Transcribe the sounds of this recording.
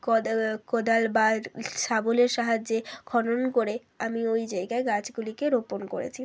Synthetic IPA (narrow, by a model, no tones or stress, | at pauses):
kod̪albaʃaboleɾʃaɦad͡ʑːekʰɔnonkoɾe | amiojd͡ʑaeɡaeɡat͡ɕɡulikeɾoponko̰ɾḛt͡ɕʰi